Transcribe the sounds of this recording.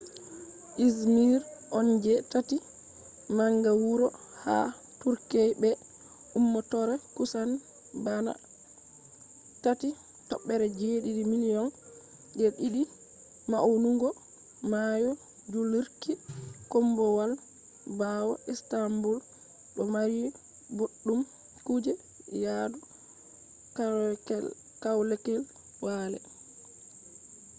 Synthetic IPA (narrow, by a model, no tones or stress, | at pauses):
ʔismiɾʔɔnd͡ʒɛtati | maŋɡawuɾɔha̰ | tuɾkɛjbɛ | ʔumːɔtɔɾɛkusan | bana̰ | tati | tɔɓːɛɾɛd͡ʒeːɗidimilijɔn | ɗɛɗiɗi | maʔwnuŋɡɔ | majɔ | d͡ʒuliɾkikɔmbɔwal | bawɔ̰ʔɛstambul | ɗɔmaɾi | boɗːum | kud͡ʒɛ | jadu | kaɛ | kawlɛkɛl | walɛ̰